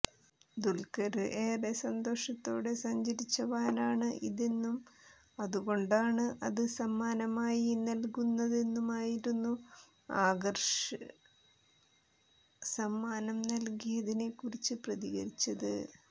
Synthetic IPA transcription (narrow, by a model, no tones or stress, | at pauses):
d̪ulkɐɾɨʔeːresɐnd̪o̞ːʂɐt̪ːo̞ːɽe̞sɐɲd͡ʑɐɾit͡ɕːɐʋaːnaːɳɨʔiðenːum | ɐðuɣo̞ɳɖaːɳɨʔɐðɨsɐmːaːnɐmaːjinɐlkunːɐðe̞nːumaːjiɾunːu | aːɡɐrʂɨ | sɐmːaːnɐmnɐlkijɐðine̞kːurit͡ɕːɨprɐðiɣɐɾit͡ɕːɐðɨ̰